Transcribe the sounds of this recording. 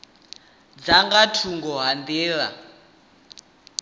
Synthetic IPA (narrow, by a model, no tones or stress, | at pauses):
d͡zaŋɡatʰuŋɡɔɦand̪iːɺa̰